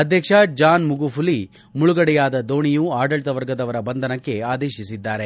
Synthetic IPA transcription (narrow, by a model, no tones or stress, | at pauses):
ɐd̪ʱjɐkʂɐd͡ʒaːnmuɡupʰuli | muɭuɡɐɽɛjaːd̪ɐd̪o̞ːɳijuaːɖɐɭt̪ɐʋɐɾɡɐd̪ɐʋɐɾɐbɐnd̪ʱɐnɐkːe̞aːd̪eːʃisid̪ːaːɾe̞